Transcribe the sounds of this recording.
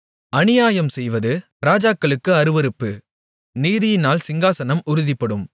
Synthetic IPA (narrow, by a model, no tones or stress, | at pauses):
ʔɐnɪjaːjɐmsɛjʋɐðɯ | ɾaːd͡ʒaːkːɐɭɯkːɯɐɾɯʋɐɾɯpːɯ | niːðɪjɪnaːlsɪŋɡaːsɐnɐmʊɾɯðɪpːɐɽɯm